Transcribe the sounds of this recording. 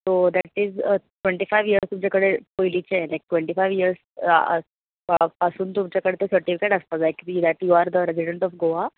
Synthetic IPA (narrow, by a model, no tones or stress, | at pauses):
t̪od̪æʈizʈʋẽɳʈiːfajʋjiəɾst̪umt͡ɕjakəɽepoilit͡ɕelajk̚ʈʋẽɳʈiːfajʋiəɾsə̰ | pəsuːnt̪umt͡ɕjakəɽet̪esəɾʈifikeʈəst̪ad͡zlajkid̪æʈjuaɾd̪əɾeziɖəɳʈɔfɡoa